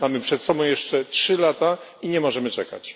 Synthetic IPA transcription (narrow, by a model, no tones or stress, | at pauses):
mamɘpʂɛt̪sɔbɔ̃w̃jɛʂt͡ʂɛtʂɘlat̪a | iɲɛmɔʐɛmɘt͡ʂɛka̰t͡ɕ